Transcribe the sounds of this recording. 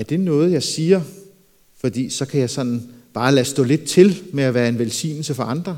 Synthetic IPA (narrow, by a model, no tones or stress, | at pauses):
æɐd̥e̝nɔ̽ːð̞̩ˠjɑ̈ɪsiːɐ | fɒ̽d̥ḭːsɒ̽kʰæjɑ̈ɪsɒ̽n̰n̩b̥ɑ̈ːlæsd̥ɔ̰̽ːle̝d̥̚t͡sʰe̝lmeæʋæːɐe̝nʋelsḭːnl̩səfɒ̽ʔɑ̈nd̥ʁɐ